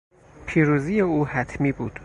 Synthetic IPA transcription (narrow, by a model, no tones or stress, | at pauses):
pʰiːɾuːzijeuːhæt̪ʰmiːbuːd̪̥